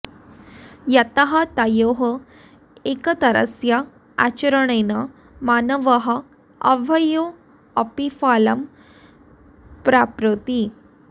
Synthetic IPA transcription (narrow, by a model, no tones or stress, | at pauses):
jət̪aɦat̪ajoɦə | ekət̪əɾə̰sja | a̰t͡ɕəɾəɳ̃ena | manəʋəɦə | ə̰ʋʱəjo | əpifaləm | pɾapɾut̪i